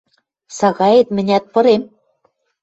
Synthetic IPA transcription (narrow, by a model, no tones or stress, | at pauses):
sɑɣɑjet̪mɘ̆nʲæt̪̚pɤ̆ɾem